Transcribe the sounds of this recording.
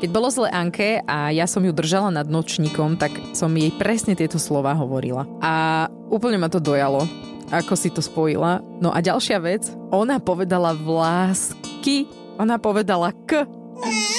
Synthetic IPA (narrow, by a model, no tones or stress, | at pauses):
kɛɟbɔlɔzlɛːʔaŋkʰɛʔajasɔmjud̪r̩ʒalanad̪̚nɔt͡ʃɲikɔmt̪aksɔmjɛjpɾɛsɲɛt̪ɪɛt̪ɔslɔʋaːɦɔʋɔɾḭlaʔa | uːpl̩ɲɛmat̪ɔd̪ɔjalɔ | ʔakɔsit̪ɔspɔjḭla | nɔʔaɟalˠʃɪaʋɛd͡z | ʔɔnapɔʋɛd̪alaʋlaːski | ɔnapɔʋɛd̪alakə